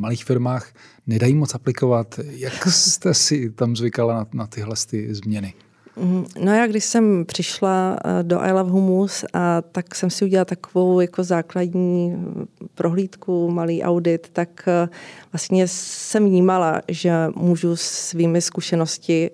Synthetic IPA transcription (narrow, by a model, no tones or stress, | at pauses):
maliːxfɪɾmaːx | nɛdajiːmot͡sʔaplɪkovat̪jakst̪ɛsɪt̪amzvɪkalananat̪ɪɦlɛst̪ɪzmɲɛnɪ | no̞jaːɡdɪʃsɛmpr̝̥ɪʃlado̞ʔa̰jlavɦumusat̪aksɛmsɪuɟɛlalt̪akovo̞wjako̞zaːkladɲiː | pɾʔo̞ɦliːt̪kumaliːʔa̰wdɪt̪ːakvlast̪ɲɛsɛmvɲiːmalaʒɛmuːʒussviːmɪskuʃɛno̞scɪ